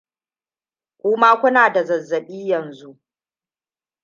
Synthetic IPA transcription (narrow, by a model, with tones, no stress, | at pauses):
kʷʼʊː˦maː˦kʷʊ˦naː˨da˨zɐ˨zːɐ˨ɓiː˦jɐ˨nzu˦ʔ